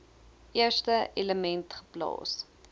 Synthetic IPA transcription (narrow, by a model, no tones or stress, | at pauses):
ʔiərstəeləmɛntχə̥plɑ̰ːs